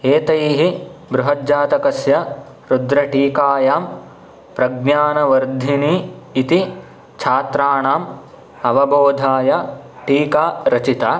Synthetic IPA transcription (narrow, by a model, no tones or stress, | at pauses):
eːt̪ɐjɦibɾuɦɐd͡ʒaːt̪ɐkɐsjɐ | ɾud̪ɾɐʈiːkaːjaːm | pɾɐɡnaːnɐʋɐɾd̪ʱiniːit̪i | t͡ʃʰaːt̪ɾaːɳaːm | ɐʋɐboːd̪ʱaːjɐʈiːkaːɾɐt͡ʃit̪aː